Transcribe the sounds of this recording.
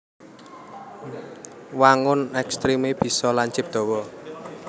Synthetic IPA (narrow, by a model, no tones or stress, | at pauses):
waŋʊnɛkst̪ɾimeb̥i̤sɔlaɲt͡ʃɪp̚d̪̥ɔ̤wɔ